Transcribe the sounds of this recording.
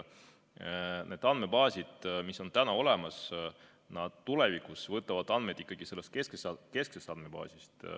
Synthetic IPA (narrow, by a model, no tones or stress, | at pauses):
ne̞ːd̪̥ɑn̥me̞pɑːsʲid̪̥misːo̞nt̪ænɑo̞le̞mɑs | nɑd̪̥t̪ːulevikusvɤt̪ːˑɑvɑd̪̥ɑnmed̪ikːˑɑɡ̥ise̞lːest̪̚keskesɑke̞sksest̪ɑnme̞pɑ̰ːsʲist̪